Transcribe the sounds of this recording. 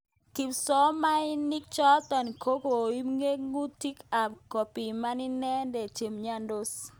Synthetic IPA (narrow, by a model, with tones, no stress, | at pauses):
ki˨msɔ˦ma˦ɪ˦ni˦k̚t͡ʃɔ˦t̪ɔ˨n˨kʰo˦ko˨i˦mŋe˦ɡŋu˦ti˦ka˨kɔ˨pi˨ma˦ni˦nɛ˦ndɛ˨t͡ʃe˨mɲa˦ndo˦s